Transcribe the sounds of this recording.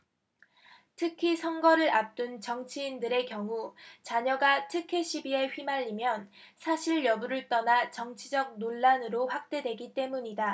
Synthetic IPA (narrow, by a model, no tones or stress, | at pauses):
tʰɯkʰisʰʌŋɡʌɾɯɾap̚t͈ɯnt͡ɕʌŋt͡ɕʰiːndɯɾe̞kjʌŋut͡ɕaɲʌɡatʰɯkʰe̞ɕʰibie̞ɸɥimaʎːimjʌn | sʰaɕʰiɭːjʌbuɾɯɭt͈ʌnat͡ɕʌŋt͡ɕʰid͡ʑʌɡ̚noɭːanɯɾoɸwak̚t͈e̞dwe̞ɡit͈e̞muɲida